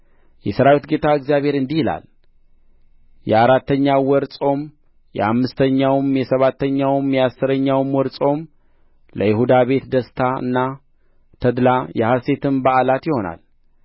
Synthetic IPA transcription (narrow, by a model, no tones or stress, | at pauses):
jɛsəɾawit̪ɡe̞t̪ʰaɨkzijaβhe̞ɾɨnd̪ihila̰l | jɛaɾat̪ːəɲːawɔɾsʼo̞m | jɛ̰amːɨst̪ʰəɲːawɨmjɛsəβat̪ːəɲːawmjɛasːɨɾəɲːawmwɔɾsʼo̞m | ləjɪhud̪aβe̞t̪d̪əst̪ʰaɨ̰nːa | t̪ʰəd̪lajɛhase̞t̪ʰɨmbaʔalat̪jɪho̞na̰l